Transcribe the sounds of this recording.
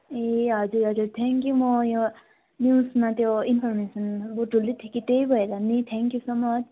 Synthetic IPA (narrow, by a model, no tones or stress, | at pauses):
eɦʌd͡ʒuɾɦʌd͡zuɾt̪ʰɛŋkjumojo | njusmat̪joinpʰɔɾmesʌnbuʈulːit̪ʰikit̪ejbʱʌed̪anit̪ʰɛŋkjusomʌt͡ʃʰ